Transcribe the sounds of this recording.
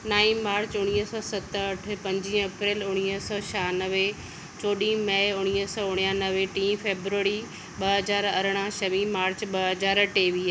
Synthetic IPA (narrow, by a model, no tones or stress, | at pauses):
naːĩmaːɾt͡ɕʊɽ̃iːsɔːsɐt̪əɐʈʰpɐ̃ɲd͡ʑĩːɐpɾeːlʊɽ̃iːəsɔːʃaːnəʋe | t͡ɕoːɗĩmɐʊɽ̃iːsɔːʊɽ̃ijãːnɐʋeʈĩːfeːbɾuəɾi | ɓɐɦɐzaːɾɐɾəɽ̃aʃɐʋĩmaːɾt͡ɕɓɐɦɐzaːɾʈeːʋiː